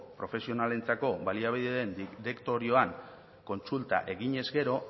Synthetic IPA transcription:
pɾo̞fe̞sio̞nale̞nt͡sako̞βaliaβ̞iðeðenɾe̞kt̪o̞ɾio̞aŋ | ko̞nt͡sult̪a̰ʔe̞ɣiɲe̞zɡe̞ɾo̞

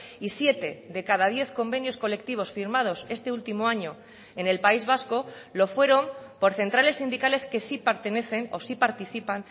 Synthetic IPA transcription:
isje̞t̪e̞ðe̞kaðað̞je̞θko̞mbe̞njo̞sko̞le̞k̚t̪iβ̞o̞sfiɾmað̞o̞se̞st̪e̞ult̪imo̞aɲo̞ | e̞ne̞lpaizβ̞asko̞lo̞fwe̞ɾo̞mpo̞ɾθe̞nt̪ɾale̞sːind̪ikale̞ske̞sipeɾt̪e̞ne̞θe̞no̞̰sipaɾt̪iθipan

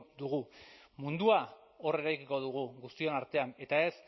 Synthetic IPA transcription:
d̪uɣumund̪uao̞re̞ɾajkiko̞ð̞uɣ̞uɣust̪io̞naɾt̪e̞ane̞t̪ae̞s

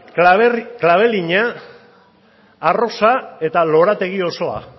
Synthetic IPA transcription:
klaβe̞liɲa | ro̞sae̞t̪alo̞ɾat̪e̞ɣ̞io̞so̞a̰

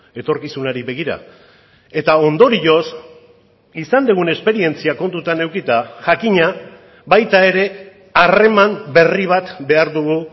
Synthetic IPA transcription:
e̞t̪o̞ɾkisunaɾiβe̞ɣ̞iɾa̰ | e̞t̪ao̞nd̪o̞ɾio̞s | isand̪eɣ̞une̞spe̞ɾie̞nt͡siako̞nt̪ut̪ane̞wkit̪aʝakiɲa | βajt̪ae̞ɾe̞ | are̞mambe̞riβ̞at̪be̞aɾðuɣ̞u

